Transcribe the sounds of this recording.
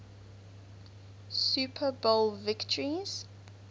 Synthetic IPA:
supʰəbolˠvɪktʰəɹiz̥

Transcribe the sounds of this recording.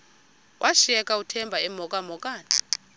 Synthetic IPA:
wʔaʃiɛkʼautʰɛmbʱaɛmɔkʼamɔk̬ʼaːna

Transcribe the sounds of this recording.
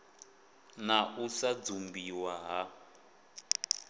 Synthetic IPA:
naʔusad͡zumbiwaɦa

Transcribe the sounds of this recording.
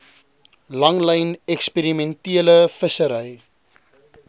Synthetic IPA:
lɐŋləjnɛkspeɾimɛntiələfəsəɾəj

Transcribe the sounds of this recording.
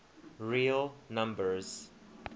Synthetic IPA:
ɹilˠnʌ̃mbə˞z̥

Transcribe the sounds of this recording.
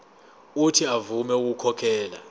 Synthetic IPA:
utʰiavumɛuk̬ukʰɔkʰɛːla̰

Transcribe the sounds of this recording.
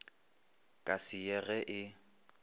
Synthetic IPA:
kʼasɪjɛɣɛʔɪ

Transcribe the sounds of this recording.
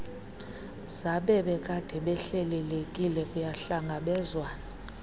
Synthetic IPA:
z̥aɓɛɓɛkʼad̥ʱɛɓɛɬɛlɛlekʼilɛkʼujaɬaŋɡʱaɓɛzwaːna

